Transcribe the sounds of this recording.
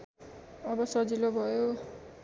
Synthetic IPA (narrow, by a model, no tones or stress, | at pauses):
ʌbʌsʌd͡zilobʱʌjo